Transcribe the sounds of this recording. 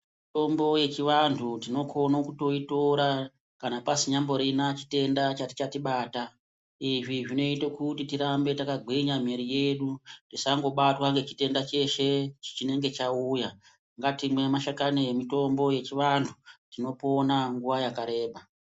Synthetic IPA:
ito̞mbo̞je̞t͡ʃiʋantʰutino̞kʰo̞nokuto̞itoɾa | kanapasiɲambo̞ɾinat͡ʃi̥te̞ndat͡ʃati̥t͡ʃatiɓaːta | iʐiʐino̞itokutitiɾambe̞takaɡʱiɲam̤iɾije̞ɗutisaŋɡo̞ɓatwaŋɡe̞t͡ʃi̥te̞ndat͡ʃe̞ʃe̞t͡ʃi̥t͡ʃine̞ŋɡe̞t͡ʃauja | ŋɡatimwe̞maʃakanemito̞mbo̞je̞t͡ʃiʋantʰutino̞po̞naŋɡuʋajakaɾe̞ːɓa

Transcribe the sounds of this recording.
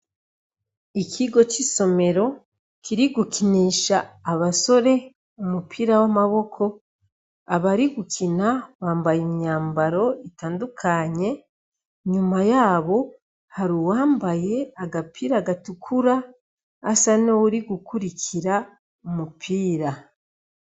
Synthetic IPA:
ikʰiɡo̞t͡ʃiso̞me̞ɾo̞ | kiɾiɡukiniːʃaːβaso̞ɾe̞ | umupʰiːɾawamaβo̞kʰo̞ | aβaɾiɡukʰinawaːmbajemɲaːmbaɾo̞itaːndukʰaɲe̞ | ɲumajaːβo̞ | haɾiwaːmbaje̞aɡapiːɾaːɡatukʰuɾaː | sanowuɾiɡukuɾikʰiɾa | umupʰiːɾa

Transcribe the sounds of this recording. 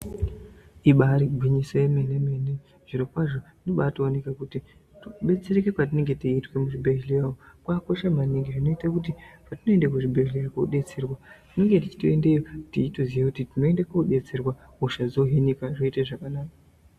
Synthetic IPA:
iɓaɾiɡʱwiɲisajemenemene | ʐ̥iɾokwaʐo | noɓaːtione̞kakuti | tuɓe̞t͡se̞ɾekekwat̬ine̞ŋɡe̞tiitwe̞muʐibʱeɦeleraokwako̞ʃamaniŋɡiʐino̞itakutipatino̞endekuʐibʱeɦileɾakouɗe̞t͡serwatine̞ŋɡe̞tit͡ʃi̥toende̞jotiitozijekutitino̞endekouɗe̞t͡serwa | oʃazoɦenikaʐo̞itaʐakanaːka

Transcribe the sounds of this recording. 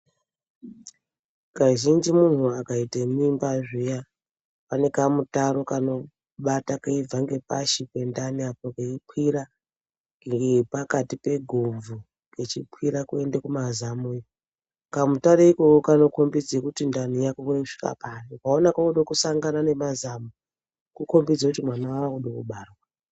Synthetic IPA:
kaʒind͡ʒimun̤uakaitemimbaʐija | pane̞kamutaɾo̞kano̞ | ɓatakaib͡vaŋɡe̞pa̰ʃikwe̞ndaniapokeipwiɾa | ɡŋɡepakatipe̞ɡʱob͡vu | ket͡ʃipʰiɾakue̞ndekumazamui | kamutaɾeiko̞kokano̞ko̞mbid͡zekutindanijakokoʂi̥ka̰panokwaonakakoɗokusaŋɡanane̞mazamu | kuko̞mbid͡zakutimwanaaakuɗokuɓaːrwa

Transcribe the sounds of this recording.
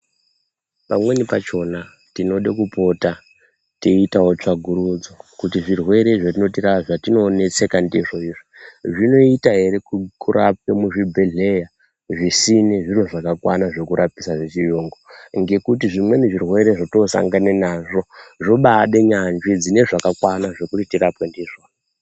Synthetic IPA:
pamwe̞nipat͡ʃo̞na | tino̞ɗekupo̞ta | teitawo̞t͡ʂaɡʱuɾud͡zokutiʐirwe̞ɾe̞ʐatino̞tiraʐatino̞ne̞t͡se̞kandiʐo̞iːʐiʐino̞itaɦe̞ɾe̞kukuɾʔa̰p̚emuʐibʱe̞ɮe̞ja | ʐisineʐirwoʐakakwanaʐe̞kuɾʔapisaʐit͡ʃijoːŋɡoŋɡe̞kut̬iʐimwe̞neʐirwe̞ɾe̞ʐotosa̰ŋɡanenaʐo̞ʐo̞ɓaɗe̞ɲand͡ʒid͡zine̞ʐakakwanaʐe̞kutitiɾapwendiːʐao

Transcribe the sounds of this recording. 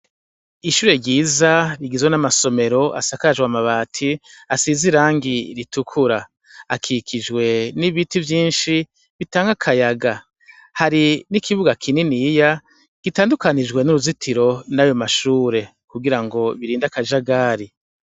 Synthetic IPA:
iʃuːɾe̞ɾɟiːzaβiɡizwenamaso̞me̞ɾo̞ʔa̰sakad͡ʒwamaβatʰiasiziɾaːŋɡiɾitukʰuɾaː | kʰikʰid͡ʒɡwe̞niβitivjiːnʃi | βitaːŋɡakʰajaɡa | haɾinikʰiβuɡakʰininija | ɡ̥itaːndukanid͡ʒɡwe̞nuɾuzitʰiɾo̞najo̞maʃuːɾe̞ | kuɡiɾaŋɡo̞βiɾiːndakad͡ʒaɡaːɾi

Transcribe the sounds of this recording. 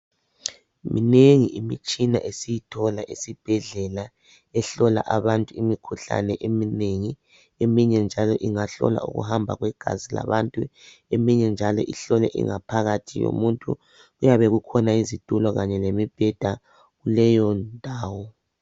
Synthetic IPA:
mineŋiʔimit͡ʃʼina̰ʔesijitʰɔlaʔisib̥ʱɛɮɛla | ɛɬɔla̰ʔaβantʼuimikʰuɬa̰nɛʔemineŋi | emiɲɛnd͡ʒʱalɔʔiŋaɬɔ̰la̰ṵɣṵɦambʱa̰ɣwɛɡ̥ʱa̰zila̰βantʼu | emiɲɛnd͡ʒʱalɔʔiɬɔlɛʔḭŋapʰaɣatʰijo̰muntʼṵ | ɣujaβɛɣukʰɔnaizitulɔɣaɲɛlemib̥ʱɛd̥ʱa | ɣulɛjɔndʱaːwɔ

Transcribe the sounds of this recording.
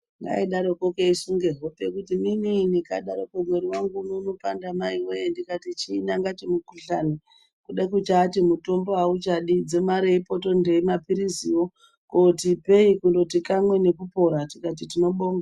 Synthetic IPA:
ŋɡa̰iɗaɾo̞kokeisuŋɡe̞ɦo̞pe̞kutimininikaɗaɾokomwe̞ɾiwaŋɡuːnounopandamaiwejendikatit͡ʃiːnaŋɡat͡ʃemukuɬani | kuɗakut͡ʃaːtimuto̞mboaut͡ʃaɗid͡ze̞maɾeipo̞to̞nde̞imapiɾiziwo̞ | kotipe̞ikundo̞tikamwe̞ne̞kupo̞ɾatikat̬itino̞ɓo̞ːŋɡa

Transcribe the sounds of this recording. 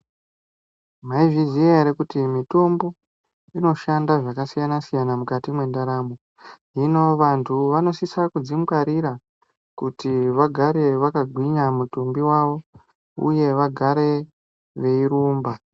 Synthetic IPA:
maiʐizieɾekutimito̞mbo̞ | ino̞ʃandaʐakasijanasijanamukatimwe̞ndaɾamo | ino̞ʋantʰuʋano̞sisakud͡zimkaɾiɾa | kutiʋaɡʱaɾe̞ʋakaɡʱwiɲamutumbiwaʋo̞ | ṵje̞ʋaɡʱaɾe̞ | ʋe̞iɾuːmba

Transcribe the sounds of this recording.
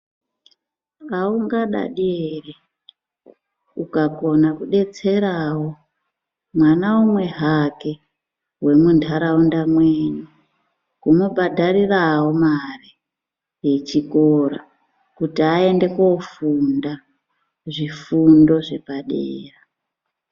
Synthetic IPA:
auŋɡaɗa̰ɗiere | ukako̞nakuɗe̞t͡se̞ɾawo | mwanaumwe̞ɦake̞ | we̞mundʰʱaɾaundamweːnu | kumobʱadʱarirawomari | je̞t͡ʃikoɾa̰ | kutiae̞nde̞ko̞funda | ʐifundo̞ʐe̞paɗḛːra

